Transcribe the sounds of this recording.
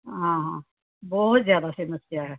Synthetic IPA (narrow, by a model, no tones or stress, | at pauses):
ɦãːɦãː | bɔːt̪zjaːd̪asɪməsjaɦɛː